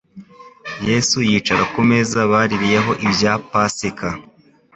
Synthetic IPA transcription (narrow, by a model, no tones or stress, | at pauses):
je̞sujiːt͡ʃaɾakume̞zaβaːɾiɾije̞ɦo̞ʔibjapasika